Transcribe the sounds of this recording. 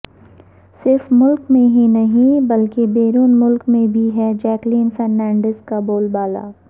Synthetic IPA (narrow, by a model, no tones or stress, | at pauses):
sɪɾfmʊlkmẽɦĩnɐɦĩbɐlkebeːɾuːnmʊlkmẽbʱiɦɛd͡ʒɛːkliːnfɛɾːɛ̃ːɳɖəzkaboːlbaːla̰ː